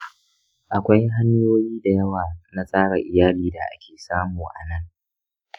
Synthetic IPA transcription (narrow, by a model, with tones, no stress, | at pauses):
ʔa˨kʷa˦jɦa˦ɲjoː˦jiː˦da˨jɐ˦waː˨na˦sʼaː˦ɽa˨ʔɪ˨jaː˦liː˦˨da˨ʔa̰˦kʲʰeː˨saː˦muː˨ʔa̰˨nɐ˦ŋ